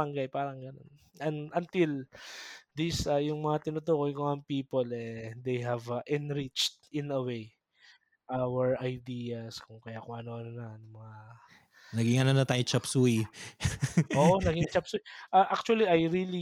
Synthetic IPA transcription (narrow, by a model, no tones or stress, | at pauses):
ɐŋɡajpaːɾɐŋɡɐno̞̰n | ɐnʔɐnt̪il | d̪isɐjʊŋmɐŋat̪ɪnʊt̪okojkoŋɐŋpiːpolɛd̪ejɦɐvɐʔɪnɾit͡ʃt̪̚ɪnɐwej | ʔawɛɹɐjd̪iːɐskʊŋkɐjakʊŋʔɐnoʔɐnonɐnɐmɐŋa | nɐɡɪŋɐnonɐt̪aːjot͡ʃɐpsuj | ʔoːʔʔonɐɡɪŋt͡ʃɐpsujʔaʔak̚t͡ʃuɐliʔajɾili